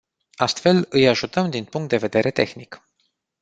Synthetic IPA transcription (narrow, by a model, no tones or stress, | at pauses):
ast̪fe̞lɨjaʒut̪əmd̪inpuŋkt̪̚d̪e̞ve̞d̪e̞ɾʔe̞t̪e̞xnik